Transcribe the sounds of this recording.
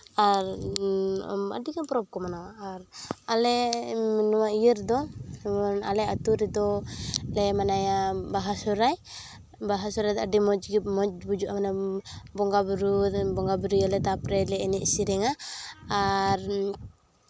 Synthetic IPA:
aɾ̰ | a̰dikapɾɔp̚kɔmanawaːɾalɛmnɔmaijəɾd̪ɔɔna̰lɛat̪uɾɛd̪ɔlɛmanajabaɦasɔɾaj | baɦasɔɾajd̪ɔadimɔd͡ʒɡimɔd͡ʒbud͡ʒuʔamanabɔŋɡabɾubɔŋɡabuɾujalɛt̪apɾɛlɛɛnɛʔsiɾɛŋaː | ɾ

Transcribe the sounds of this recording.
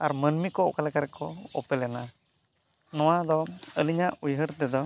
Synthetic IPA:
aɾmənmikɔkalɛkaɾɛkɔɔ̰pɛlɛna | nɔwad̪ɔəliɲaʔujɦəɾt̪ɛd̪ɔ

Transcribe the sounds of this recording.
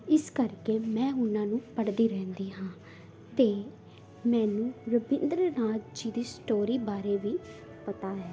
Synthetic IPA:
ɪskəɾkeːmɛ̃ːʊnːãːnũːpəɽd̪iːɾɛ̃ːnd̪iːɦãː | t̪eː | mɛ̃ːnũːɾəbɪnd̪ɾnaːd͡ʒd͡ʒiːd̪iːsʈoːɾiːbaːɾeːʋiː | pət̪aːɦɛː

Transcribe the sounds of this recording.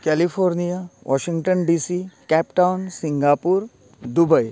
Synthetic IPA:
kɛːlifʰoːɾnijaʋʔɔ̰ːʃɪ̃ŋɡʈənɖiːsikɛːpʈaʊnsɪ̃ŋɡaːpuːɾ | d̪ʊbəi

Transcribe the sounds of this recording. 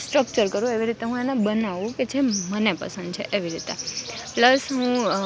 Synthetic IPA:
sʈɾək̚t͡ʃəɾkəɾũeʋiɾit̪eɦũenabənaʋũked͡ʒʱemənepə̰sə̃nd̪̚t͡ʃʰeʔeʋiɾit̪ḛpləsɦũ

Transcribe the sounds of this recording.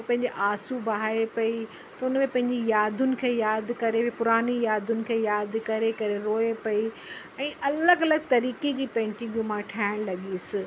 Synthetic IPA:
pɐ̃ɦɪɲd͡ʑeʔaːsubɐɦaːepɐi | t̪ɐʊnmẽpɐ̃ɦɪ̃ɲd͡ʑijaːd̪ʱʊnɪ̆kʰeːjaːd̪ʱkɐɾepʊɾaːnijaːd̪ʱʊnɪ̆kʰeːjaːd̪ʱkɐɾekɐɾeɾoːepɐi | ɛ̃ːʔɐləɡɐləɡt̪ɐɾiːked͡ʑiːpɛ̃ːɳʈɪ̃ɡjũmãʈʰaːɪɽ̃lɐɠisɪ̆

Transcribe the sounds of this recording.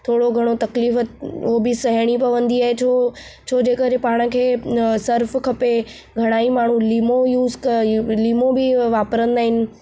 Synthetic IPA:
t̪ʰoːɽoɡʱɐɽ̃ot̪ɐkliːfəobɪsɐɦɽ̃ipɐʋə̃nd̪iaːɦet͡ɕʰo | t͡ɕʰoːd͡ʑeːkəɾepaːɽ̃ə̆kʰeːsɐɾfkʰɐpe | ɡʱɐɽ̃aːimaːɳ̤ũliːmojuːzkliːmobɪʋaːpɾə̃nd̪aːɦɪnɪ̆

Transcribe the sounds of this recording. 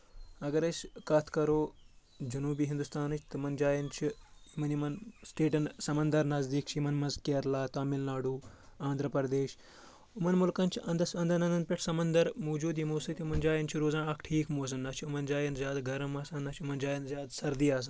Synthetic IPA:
ɐɡɐɾɐsʲkɐt̪ʰkɐɾoː | d͡ʒɐnuːbiːɦind̪ust̪aːnɨt͡ʃʰʲt̪ɨmɐnd͡ʒaːjɐnt͡ʃʰiimɐnimɐnsʈeːʈɐnsɐmɐnd̪ɐɾnɐzd̪iːkt͡ʃʰiimɐnmɐzkeɾlaːt̪aːmilnaːɖuːãːnd̪ʱɾɐpɐɾd̪eːʃ | umɐnmulkɐnʲt͡ʃʰiʔɐ̃nd̪ɐsɐ̃nd̪ɐnɐ̃nd̪ɐnpʲeʈʰsɐmɐnd̪ɐɾmoːd͡ʒuːd̪imoːsɨt̪iimɐnd͡ʒaːjɐnt͡ʃʰiɾoːzãːɳɐkʰʈʰiːkmoːs̬ɐmnɐt͡ʃʰiumɐnd͡ʒaːjɐnzʲjaːd̪ɡʱɐɾɐmɐsɐnnɐt͡ʃʰumɐnd͡ʒaːjɐnzʲjaːd̪sɐɾd̪iːaːs̬ɐ

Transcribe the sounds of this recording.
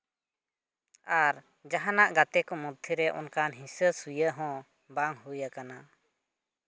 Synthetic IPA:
aɾ | d͡ʒaɦanaʔɡat̪ɛkɔmɔd̪̚t̪ʰːiɾɛʔɔ̰nkanɦĩsəsujəɦɔ̃ | baŋɦujakana

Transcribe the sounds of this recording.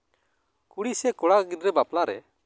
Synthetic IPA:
kuɽisɛkɔɽaɡid̪ɾɛbaplaɾɛ̰

